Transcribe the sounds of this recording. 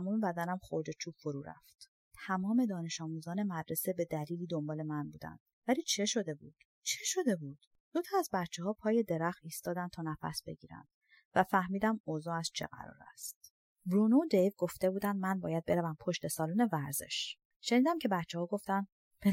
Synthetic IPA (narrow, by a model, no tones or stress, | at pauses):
mɔːmebæd̪ænæmχoɾd̪e̞t͡ʃʰuːbfoɾuːɾæ̰ft̪ | t̪ʰæmɒːme̞d̪ɒːne̞ʃɒːmuːzɒːne̞mæd̪ɾe̞se̞be̞d̪æliːliːd̪ombɒːle̞mænbuːd̪æ̰nd̪̥væliːt͡ʃʰe̞ʃo̞d̪e̞bud̪̥ | t͡ʃʰe̞ʃo̞d̪e̞buːd̪̥ | d̪ot̪ʰɒæzbæt̪t͡ʃʰeɦɒːpʰɒːje̞d̪eɾæxt̪iːst̪ɒːd̪ænt̪ʰɒːnæpʰæ̰sbe̞̰ɟiːɾæ̰nd̪̥ | væfæhmiːd̪æmozɒːæst͡ʃʰe̞̰ɣæ̰ɾɒ̰ːɾæ̰st̪ | bɾonod̪ejvɡo̞ft̪e̞buːd̪ænd̪mænbɒ̰ːjæd̪̚be̞ɾævæmpʰo̞ʃt̪e̞sɒːloːne̞væɾze̞̰ʃ | ʃe̞niːd̪æmcʰebæt̪t͡ʃʰːehɒːɡo̞ft̪ænd̪ | b̥e